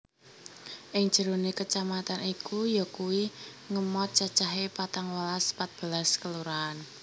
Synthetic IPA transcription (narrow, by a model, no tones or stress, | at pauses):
ʔɪŋ̥d͡ʒ̥ə̤ɾonekət͡ʃamat̪anikujɔkuwi | ŋəmɔt̪̚t͡ʃat͡ʃaɦepat̪aŋwalaspat̪̚b̥ə̤laskəluɾaːn